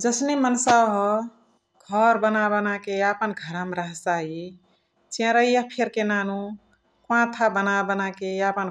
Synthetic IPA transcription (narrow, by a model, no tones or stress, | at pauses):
d͡ʒəsnemənsaɦɔ | ɡʱəɾbənabənakejapənɡʱəɾamɾəɦt͡ʃaɦi | t͡ʃẽɾəijəpʰeɾkenanu | kwãt̪ʰabənabənakejapən